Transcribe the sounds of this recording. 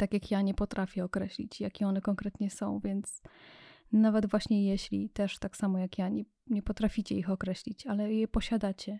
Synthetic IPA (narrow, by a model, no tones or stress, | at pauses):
t̪akʲjakjaɲɛpɔt̪ɾafʲjɛɔkɾɛɕlʲḭt͡ɕjakʲɛɔnɛkɔŋkɾɛt̪ɲɛsɔ̃w̃vʲjɛnt̪s | navɛd̪vwaɕɲɛjɛɕlʲit̪ɛʂt̪aksamɔjakjaɲɛ | ɲɛpɔt̪ɾafʲit͡ɕɛixɔkɾɛɕlʲit͡ɕalɛjɛpɔɕad̪at͡ɕɛ